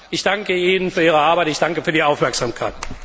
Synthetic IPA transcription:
ʔɪçd̥aŋkəiːnənfyːɐiːʁəaɐbaɪtɪçd̥aŋkəfyːɐdiaʊfmɛɐkz̥amkʰaɪt

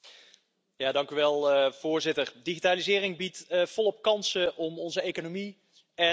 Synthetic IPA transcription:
jaːdɑŋkyʋɛlˠv̥ʊːɹzɪtərdiχitaːlizɪːrɪŋbitːv̥ɔlˠɔp̚kɑnsəʔɔmɔnzəejkonomi | ɛ

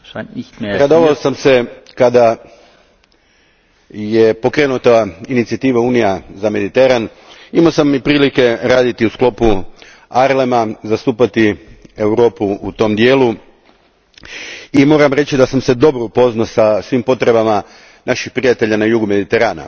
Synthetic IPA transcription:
ɾad̪oʋaosamse̞kad̪a | jepo̞kɾe̞ːnut̪ainit̪siat̪iːʋauːnijazame̞d̪it̪e̞ɾan | imaosamːipɾiːlike̞ɾaːd̪it̪iusklˠo̞pu | aɾle̞mazast̪uːpat̪ie̞wɾo̞ːpuut̪o̞md̪je̞ːlu | imo̞ːɾamɾe̞t͡ɕid̪asamse̞d̪o̞bɾoupo̞znosasʋimpo̞t̪ɾe̞bama | nʔaʃixpɾijat̪e̞ʎanajuɡume̞d̪it̪e̞ɾaːna̰

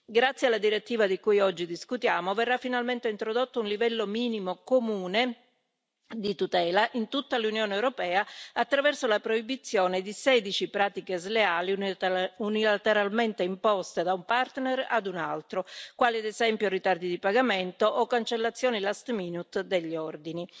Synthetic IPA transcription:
ɡɾat̪sːjealad̪iɾet̪ːiːvad̪ikujɔd͡ʒːid̪iskut̪jaːmoverːafːinalment̪eint̪ɾod̪ot̪ːounlivɛlːomiːnimokomuːne | d̪it̪ut̪ɛːlaʔint̪ut̪ːalunjoːneewɾopɛːaat̪ːɾavɛrsolapɾoibit̪sːjoːned̪isɛd̪it͡ʃipɾaːt̪ikezleaːliunilat̪eɾalment̪eimpɔst̪ed̪aumpart̪nera̰d̪unalt̪ɾokwaːliad̪ezɛmpjorit̪ard̪id̪ipaɡament̪oʔːkːant͡ʃelːat̪sːjoːnilast̪miːnut̪d̪eʎːiɔrd̪ini

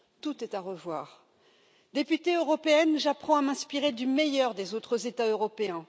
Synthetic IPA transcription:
t̪ut̪ɛt̪aʁəvwaːʁ | d̪epyt̪eøʁɔpeɛnʒapχɑ̃amɛ̃spiʁed̪ymejœʁd̪ezot̪χəzet̪aøʁɔpeɛ̃

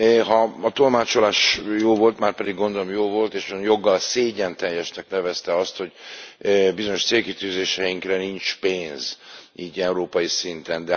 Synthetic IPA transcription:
ɦɒːt̪o̞lmaːt͡ʃo̞laːʃjoːvo̞lt̪maːrpɛd̪iɡːo̞nd̪o̞lo̞mjoːvo̞lt̪eːʃɒonjo̞ɡːɒlseːɟɛnt̪ɛjɛʃnɛknɛvɛst̪ɛɒst̪ho̞ɟ | bizo̞ɲo̞ʃt̪seːlkit̪yːzeːʃɛjiŋkrɛnint͡ʃpeːnziːɟɛuɾoːpɒjisint̪ɛnd̪ɛ

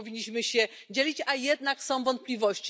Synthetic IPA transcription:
vʲiɲːiɕmɘɕɛ | d͡ʑelʲit͡ɕajɛd̪naksɔ̃w̃vɔnt̪̚plʲivɔɕt͡ɕ

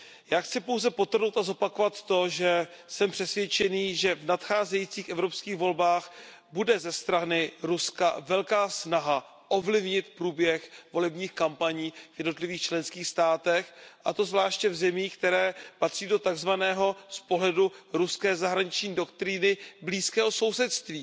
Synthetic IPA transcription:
jaːxt͡sɪpo̞wzɛpo̞t̪r̩nowt̪azo̞pakovat̪ːo̞ʒɛ | sɛmpr̥ɛsvjɛt͡ʃɛniːʒɛvnat̪xaːzɛjit͡siːxʔɛvɾopskiːɣvo̞lbaːx | budɛzɛst̪ɾanɪɾuskavɛlkaːsnaɦa | ʔo̞vlɪvɲɪt̪pɾuːbjɛxvo̞lɛbɲiːxkampaɲiːvjɛdno̞t̪lɪviːxt͡ʃlɛnskiːxst̪aːt̪ɛxʔa̰t̪o̞zvlaːʃcɛvzɛmiːxkt̪ɛɾɛːpat̪r̝̥iːdo̞t̪aɡzvanɛːɦo̞spo̞ɦlɛduɾuskɛːzaɦɾaɲɪt͡ʃɲiːdo̞kt̪ɾɪnɪbliːskɛːɦo̞so̞wsɛt̪st̪viː

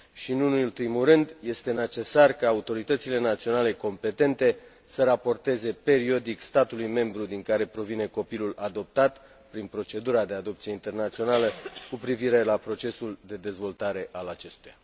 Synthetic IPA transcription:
ʃinunulpɾimuɾɨnd̪je̞st̪e̞ne̞t͡ʃe̞sarkaːut̪o̞ɾit̪ət̪sile̞nat̪sio̞nale̞ko̞mpe̞t̪e̞nt̪e̞ | səɾapo̞rt̪e̞ze̞pe̞ɾio̞d̪ikst̪at̪ulujme̞mbɾud̪iŋkaɾe̞pɾo̞vine̞ko̞pilulad̪o̞p̚t̪at̪ | pɾinpɾo̞t͡ʃe̞d̪uɾad̪e̞ad̪o̞pt̪sijeint̪e̞rnat̪sio̞naləkupɾiviɾe̞lapɾo̞t͡ʃe̞suld̪e̞d̪e̞zvo̞lt̪aɾe̞ʔalat͡ʃe̞st̪uja

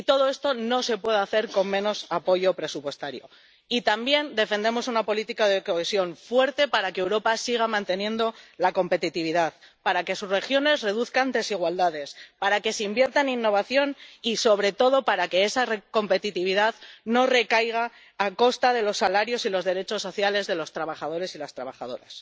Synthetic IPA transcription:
it̪o̞ðo̞e̞st̪o̞no̞se̞pwe̞ðaθe̞ɾko̞mmẽ̞no̞sapo̞ʝo̞pɾe̞supwe̞st̪aɾjo̞̰ | it̪ambje̞nd̪e̞fe̞nd̪e̞mo̞sunapo̞lit̪ikaðe̞ko̞e̞sjo̞ɱfwe̞ɾt̪e̞paɾakeːwɾo̞pasiɣ̞amãnt̪e̞njẽ̞nd̪o̞lako̞mpe̞t̪it̪iβ̞iðaðpaɾake̞susre̞xjo̞ne̞sre̞ðuθkand̪e̞siɣ̞wald̪aðe̞spaɾake̞seimbje̞ɾt̪aninːo̞β̞aθjo̞niso̞β̞ɾe̞t̪o̞ðo̞paɾake̞e̞sareko̞mpe̞t̪it̪iβ̞iðaðno̞re̞kajɣ̞aː | ko̞st̪aðe̞lo̞sːalaɾjo̞silo̞zðe̞ɾe̞t͡ʃo̞sːo̞θjale̞zðe̞lo̞st̪ɾaβ̞aχað̞o̞ɾe̞silast̪ɾa̰βaχað̞o̞̰ɾa̰s

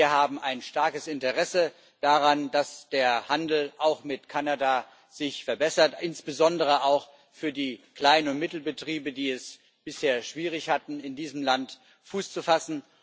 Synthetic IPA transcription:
iɐhaːbm̩aɪnʃtaɐkəsɪntəʁɛsə | d̥aʁandasd̥eːɐhandl̩ʔaʊxmɪtkʰanada | z̥ɪçfɛɐbɛsɐtʔɪnsb̥əzɔndəʁ̞əʔaʊx | fyːɐdiːkl̥aɪnənʊnt̚mɪtl̩bətʁ̥iːbədiːɛs | b̥ɪsheːɐʃv̥iːʁ̞ɪçhatn̩ɪndiːzəm̩lant | fuːst͡sufasn̩

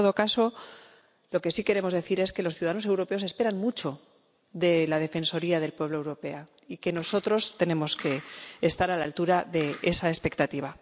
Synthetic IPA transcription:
oðo̞kaso̞ | lo̞ke̞sikeɾe̞mo̞zðe̞θiɾe̞ske̞loθjiuðaðanos̬e̞wɾo̞pe̞o̞se̞spe̞ɾanmut͡ʃo̞ | ðe̞lað̞e̞fe̞nso̞ɾiaðe̞lpwe̞βloe̞wɾo̞pe̞a | ike̞no̞so̞t̪ɾo̞st̪e̞nẽ̞mo̞ske̞ːst̪aɾalalt̪uɾaðe̞ʔesae̞spe̞k̚t̪at̪iβa

